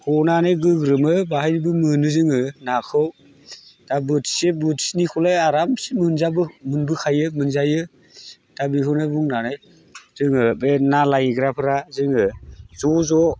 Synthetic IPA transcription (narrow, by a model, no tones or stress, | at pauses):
hʰɔnanɯjɡɯɡɾɯmɯbahajɾibɯmɯnɯzɯŋɯnakʰɯw | d̥abɯtʰi̥sebɯtʰi̥snikʰɔlajaɾamsimɯnzabɯmɯnbɯkʰajɯmɯnzajɯ | d̥abikʰɯwnabuŋnanɯj | z̥ɯŋɯbenalajɡɾapʰɯɾazɯŋɯzɔzɔ